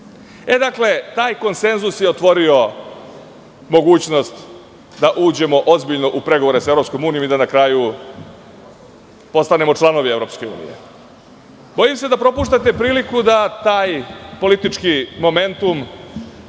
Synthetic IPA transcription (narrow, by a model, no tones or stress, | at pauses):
e̞d̪akle̞t̪aːjko̞nse̞nzusjeot̪ʋo̞ɾio̞ | mo̞ɡuːt͡ɕno̞st̪ | d̪aʔuːd͡ʑe̞mo̞ʔozbiʎno̞ʔupɾe̞ɡoʋoɾesaevɾo̞psko̞muːnijo̞mid̪anakɾaːju | po̞st̪ane̞mo̞t͡ʂlˠano̞ʋie̞vɾo̞ːpske̞ṵːnḭje̞̰ | bo̞jimse̞d̪apɾo̞puːʃt̪at̪e̞pɾiːlikud̪at̪aːjpo̞lit̪it͡ʂkimo̞me̞nt̪um